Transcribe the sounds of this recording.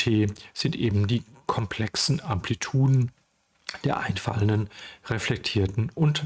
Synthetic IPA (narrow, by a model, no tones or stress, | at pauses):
tʰeːz̥ɪntʔeːbm̩diːkʰɔmpʰl̥ɛksn̩ampʰlitʰuːdn̩ | d̥eːɐʔaɪnfa̰ləndənʁɛflɛk̚tʰiːɐtn̩ʔʊnt